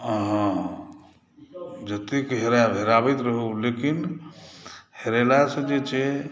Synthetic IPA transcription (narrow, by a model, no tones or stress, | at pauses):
ɦə̃ | d͡ʒət̪ikɦeɾabʱeɾabɛt̪ɾəɦulekin | heɾelasə̃d͡ʒet͡ʃʰe